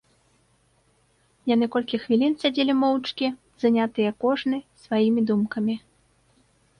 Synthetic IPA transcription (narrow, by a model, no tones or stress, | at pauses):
jan̪ɨkɔlʲkʲixvʲilʲinsʲad͡zʲelʲimɔwt͡ʂkʲi | z̥anʲat̪ɨjɛkɔʐnɨsvajimʲid̪umkɐmʲi